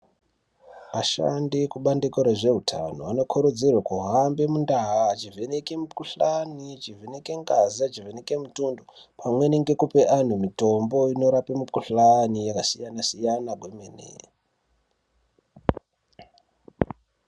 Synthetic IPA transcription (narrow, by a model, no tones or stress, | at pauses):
ʋaʃa̰ndikuɓandikoɾaʐe̞utʰa̰noano̞kʰuɾud͡zirwakuɦambe̞mundaɦat͡ʃivʱenekemupuɬanit͡ʃiveneke̞ŋɡazat͡ʃiveneke̞mutundo | pʰamwe̞neŋɡe̞kupe̞ʔan̤umito̞mbo̞ino̞ɾapemupuɬanijakasijanasijanaɡʱwemenḛ